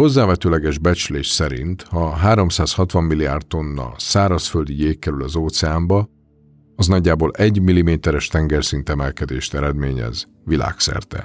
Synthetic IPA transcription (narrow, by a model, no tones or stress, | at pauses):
ho̞zːaːvɛt̪øːlɛɡɛʒbɛt͡ʃleːʃsɛɾḭnt̪hɒɦaːɾo̞msaːshɒt̪ʋɒmːilːia̰ːrt̪̚t̪o̞nːɒ̰saːɾɒsføld̪ijeːkːɛɾylɒzoːt̪sɛaːmbɒ | ɒznɒɟːaːboːlɛɟmilːimeːt̪ɛɾɛʃt̪ɛŋɡɛrsint̪ɛmɛlkɛd̪ḛːʃt̪ɛɾɛd̪meːɲɛ̰z | ʋila̰ːksɛ̰rt̪ɛ̰